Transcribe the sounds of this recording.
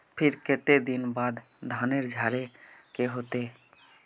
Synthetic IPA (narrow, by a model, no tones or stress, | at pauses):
pʰɪɾkɪt̪ed̪ɪnbaːd̪ | d̪ʱaːneɾd͡ʒʱaːɾekeɦoːt̪eː